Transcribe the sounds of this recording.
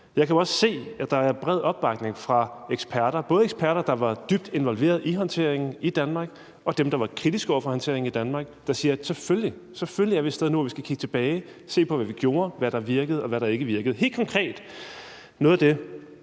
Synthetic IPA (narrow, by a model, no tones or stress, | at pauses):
jɑ̈ɪkʰæɒ̽sse̝̰ːæ̥ɑ̈æɐb̥ʁɛð̞̰ˠɒ̽b̥ːɑ̈ɡ̥ne̝ŋfʁɑ̈eɡ̥sb̥ʰæɐɾ̥ɐb̥ɔ̽ːð̞ˠeɡ̥sb̥ʰæɐɾɐd̥ɑ̈ʋɑ̈d̥yb̥̚d̥e̝nʋɒ̽lʋe̝̰ɐð̞̩ˠiɦɒ̽nt͡sʰe̝ɐ̰eŋn̩id̥ænmɑ̈ːɡ̥ | ʔɒ̽d̥emd̥ɑ̈ʋɑ̈kʰʁid̥isɡ̥ɒʊɐfɒ̽hɒnt͡sʰe̝̰ɐe̝ŋ̩id̥ænmɑ̈ːɡ̥d̥ɑ̈siːɐsefølli | seføllijaɐʋe̥sd̥eð̞ˠnuæʋisɡ̥ækʰiɡ̥ət͡sʰe̝b̥ɛːɪ | se̝̰ːpʰɒ̽ʋæʋiɡ̥jo̝ːɐʋæɾɑ̈ʋiɐɡ̥əð̞̩ˠɒ̽ʋæɾɑ̈e̝ɡ̥əʋiɐɡ̥ð̩ˠɦe̝̰ːl̥̚kʰɒ̽ŋkʰʁɛ̰ːd̥ | nɔ̽ð̞ˠæd̥e̝